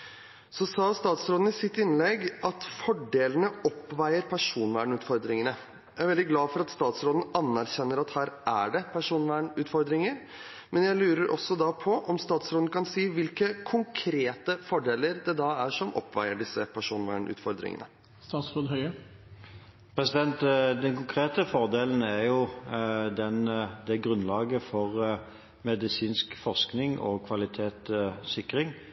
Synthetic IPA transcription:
sɔsɑːst̪ɑːt̪sɾoːd̪n̩ɪsɪt̪ːɪnlɛɡɑt̪fɔɖeːlənəɔpːʋæɪəɾpʰæʂuːnʋæːɳʉːt̪fɔɾd̪ɾɪŋənə | jæɪæɾʋɛld̪ɪɡlɑːfɔɾɑt̪st̪ɑːt̪sɾoːd̪n̩ɑnːæɾçɛnːəɾɑt̪hæːɾæ̰ɖɛpʰæʂuːnʋæːɳʉːt̪fɔɾd̪ɾɪŋəɾ | mɛnjæɪlʉːɾəɾʔɔ̰sːɔd̪ɑpʰɔʔɔmst̪ɑːt̪sɾoːd̪nəkʰɑnsiːʋɪlkəkʰʊŋkʰɾeːt̪əfɔɖeːləɾd̪ɛd̪ɑːæʂɔmʔɔ̰pːʋæɪəɖɪsːəpʰæʂuːnʋæ̰ːɳʔʉ̰ːt̪fɔɾd̪ɾɪ̰ŋə̰nə̰ | st̪ɑːt̪sɾoːd̪ɦœʏə | pʰʁɛsɪd̪ɛnt̪d̪ɛnkʊŋkʰʁeːt̪əfɔʁd̪eːln̩æɾjʊ | d̪ɛnd̪ɛɡɾʉnlɑːɡəfɔʁ | mɛd̪ɪsiːnskfɔʁsknɪŋʔɔkʰʋɑlɪt̪ʰeːt̪sɪkʁɪŋ

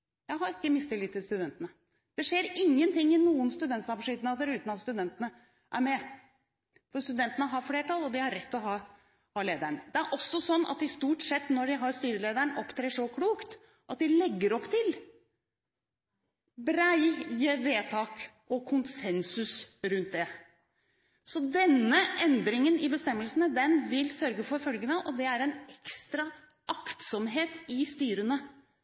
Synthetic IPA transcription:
jæɪɦɑɾɪkːəmɪst̪ɪlɪt̪ːɪlst̪ʉd̪ɛnt̪ənə | d̪̥ɛʂeːɾɪŋːənt̪ɪŋːɪnuːənst̪ʉd̪ɛnt̪sɑːpɑʂɪd̪nɑd̪əɾʉːt̪nɑt̪st̪ʉd̪ɛnt̪ənə | ʔæ̰ɾmɛ | fɔɾst̪ʉd̪ɛnt̪ənəɦɑɾfleːʈʰɑlɔd̪ɪhɑɾɛt̪ːɔɦɑː | hɑːleːd̪æɳd̪ɛæɾʔɔsːɔsɔnːɑ̰t̪ɪst̪uːʈsɛt̪ːnɔɖɪɦɑɾst̪yːɾəleːd̪æɳʔɔpːt̪ʰɾeːʂɔkʰluːkt̪ | ʔɑt̪̚d̪ɪlɛɡːəɾɔpːt̪ʰɪl | bɾæɪjəʋeːt̪ʰɑːk | ɔkʰʊnsɛnsʉsɾʉnt̪̚d̪ɛ | sɔd̪ɛnːəʔɛnd̪ɾɪŋənɪbəst̪ɛmːəlsənəd̪ɛnʋɪlsœɾɡəfɔɾfœlɡənəʔɔd̪ɛæɾɛnɛkst̪ɾɑ | ʔɑkt̪sɔmɦeːt̪ɪst̪yːɾənə

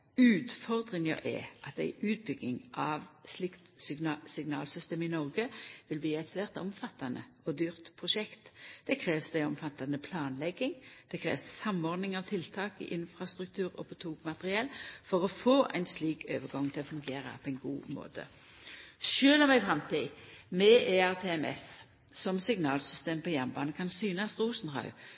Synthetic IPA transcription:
ʉːt̪fɔʁd̪ʁɪŋə̰ʔɛ̰ʔɑt̪æɪʉːt̪̚bʏɡnɪŋʔɑʋslɪkt̪ssɪɡnɑ̰ːlsʏst̪eːmɪnɔʁɡəʋɪlbliːɛt̪ʋeːʁt̪ɔmfɑt̪ːɑnə | ɔd̪yːʁt̪pʰʁʊʃɛkt̪d̪̥ɛkʰʁeːʋsd̪æɪɔmfɑt̪ːɑnəpʰlɑːnlɛɡːɪŋd̪̥ɛkʰʁḛːʋssɑmɔʁd̪nɪŋɑʋt̪ʰɪlt̪ʰɑːkɪ̰ʔɪnfʁɑst̪ʁʉk̚t̪ʰʉːʁɔ̰pʰɔt̪ʰuːɡmɑt̪əʁɪɛlfɔʁɔfoːʔæ̰ɪnsliːkʰø̰ːʋəɡɑŋt̪ʰɪlɔfʉŋɡeːʁɑ̰pʰɔɛɪnɡuːmo̰ːt̪ʰə̰ | ʃøːlɔmæɪfʁɑmt̪ʰimɛʔeːæʁt̪ʰeːɛmɛ̰s | sɔmsɪɡnɑːlsʏst̪eːmpʰɔjæmbɑːnəkʰɑnsyːnɑst̪ʁuːsn̩hɑ̰ʉ

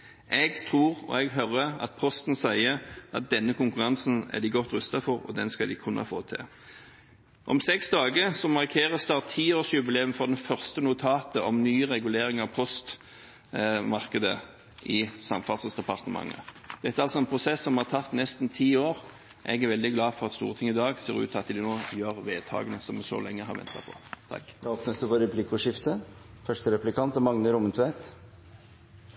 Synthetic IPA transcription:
ʔɛɡt̪ʰʁuːɾɔ̰ɛɡɦœɾəɑ̰t̪̚pʰɔst̪n̩sæɪəɑt̪̚d̪ɛnːəkʊŋkʉɾɑnsnæ̰d̪ɪɡɔt̪ːɾʉst̪ɑfɔɾɔ̰d̪ɛnskɑd̪ɪkʰʉnʔɑ̰fo̰ːt̪ʰɪ̰ | ʔɔ̰msɛksd̪ɑːɡəsɔmɑʁkʰeːʁəst̪ɑːʁt̪ʰːiːoːʂjʉbɪleːʉmfɾɔd̪ɛnfœʁst̪ənʊt̪ʰɑːt̪əɔmnyːɾɛɡʉleːɾɪŋɑʋpʰɔst̪ | mɑʁkəd̪ə | ʔɪsɑmfɑt̪səsd̪ɛpɑʁt̪əmɑ̰ŋːə̰ | d̪̥ɛt̪ːæːɑlsɔɛnpʰʁʊsɛsːɔmhɑʁt̪ʰɑt̪nɛst̪nt̪ʰiːoːɾ | ʔɛ̰ɡæɾʋɛld̪ɪɡlɑːfɔʁɑt̪st̪ṵːɾət̪ʰɪŋːəɪd̪ɑːɡseːɾʉ̰ːt̪ʰɑt̪̚ɪd̪ɛnoːjøːɾʋeːd̪̚t̪ʰɑ̰ːɡənəsɔmɛso̰ːlɛŋːəhɦɑɾʋɛ̰nt̪ɑpʰɔ̰t̪ʰɑ̰k̪ːoːpnəsd̪ʉfɔɾɛpʰlɪkʊʂɪft̪əfœʂʈəɾɛplɪkʰɑnt̪ɔmɑŋnəɾʊmənt̪ʰʉɛt̪

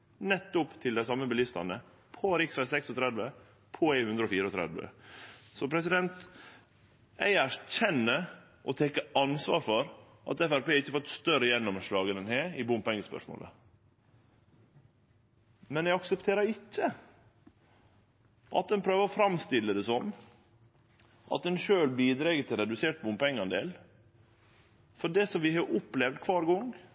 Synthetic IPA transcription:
nɛt̪ːʊpt̪ʰɪld̪æɪsɑmːəbəlɪst̪ɑ̰nə | pʰɔɾɪksɑlsɛksɔt̪ʰɾɛd̪ʋə | pʰɔæɪnhʉnd̪ɾəɔːfiːɾəɔt̪ʰɾɛ̰d̪ʋə̰sɔpʰɾɛs̬ɪd̪ɛnt̪ | æɪæɾçɛnːə | ʔɔt̪ʰɛkːəɑnsʋɑːɾfɔɾ | ʔɑ̰t̪ɛfæɾpeːɪçːəfɔt̪st̪œɾəjɛnːɔmʂɭɑːɡənɛnheːɾɪbʊmpɛŋspœ̰ʂmo̰ːlə̰ | mɛnɛɪɑksəpt̪ʰeːɾəɪcːə | ʔɑ̰t̪̚d̪ɛnpʰɾøːʋəɾɔfɾɑmst̪ɪlːəd̪ɛsɔm | ʔɑ̰t̪̚d̪ɛnʃøːlbiːd̪ɾɛːɡət̪ʰɪlɾɛd̪ʉseːʈ̪̚bʊmpɛŋːɑnd̪ḛːl | fɔɖɛsɔmʋɪhɑʔʊplɛʋd̪kʰʋɑːɾɡɔŋ

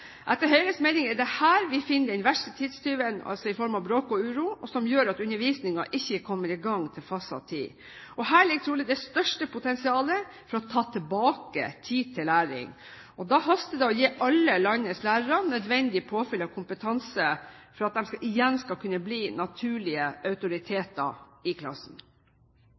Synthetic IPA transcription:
ʔɛt̪ːəɾɦœʏɾəsmɛɪnɪŋɛd̪ɛhæːɾʋɪfɪnːəd̪ɛɪnʋæʂət̪ʰiːd̪st̪yːʋənɑ̰lsɔɪfɔɾmɑʋbɾoːkɔʉːɾuːɔsɔmjøːɾɑt̪ʉnːəɾʋiːsnɪŋɑʔɪçːəkʰɔmːəɾɪɡɑŋːt̪ʰɪlfɑsɑ̰t̪ʰḭː | ɔɦæːlɪk̚t̪ʰɾuːlɪd̪ɛst̪œʂʈəpʰʊt̪ʰɛnsɪɑːlə | fɔɾɔt̪ʰɑːt̪ʰɛlbɑːkə̰t̪ʰiːt̪ʰɪlːæːɾɪ̰ŋ | ɔd̪ɑhɑst̪əd̪ɛɔjeːʔɑlːəlɑnnəslæːɾəɾɑnœd̪ʋɛnd̪ɪpʰoːfɪlːɑkʰʊmpət̪ʰɑnsəfɔɾɑt̪̚d̪ɛmskɑʔɪjɛnskɑlkʰʉnːəbliːnɑt̪ʰʉːɭɪəʔœʉt̪ʊɾɪt̪ʰeːt̪ɑ̰ɪkʰlɑ̰sn

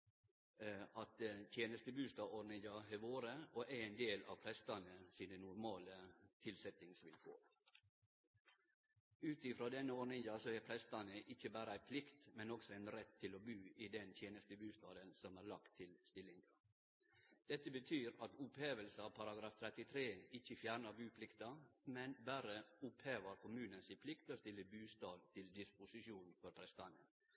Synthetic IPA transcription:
ɑt̪̚t̪ʰjeːnəst̪əbʉːst̪ɑːɔɖɳɪŋɡɑhɛʋoːɾəɔʔæɾɛɪnd̪eːlɑ̰ʋpʰɾɛst̪ɑnəsiːnənʊɾmɑːlət̪ʰɪlsɛt̪ɪŋsʋɪlfo̰ː | ʉːt̪ɪfɾoːd̪ɛnːəɔɖɳɪŋd̪ɑsɔɛpʰɾɛst̪ɑnəʔɪçːəbæːɾəæɪpʰlɪkt̪mɛnɔksɔæɪnɾɛt̪ʰːɪlɔbʉːid̪ɛnt̪ʰjeːnəst̪əbʉːst̪ɑːd̪ənsɔmæːɾɭɑkt̪ʰːɪlst̪ɪlɪŋɡɑ | d̪̥ɛt̪ːəbət̪ʰyːɾɑt̪ʊpheːʋəlsɑʋpʰɑɾɑɡɾɑːft̪ʰɾɛt̪ɪt̪ʰɾeːɪçəfjæːɾɳəɾbʉːpʰlɪkt̪ɑmɛnbæːɾəʊpheːʋəɾkʊmʉːnənsɪnpʰlɪkt̪oːst̪ɪlːəbʉːst̪ɑːd̪t̪ʰɪld̪ɪspʊsɪʃuːnfɔɾpʰɾɛst̪ɑnə

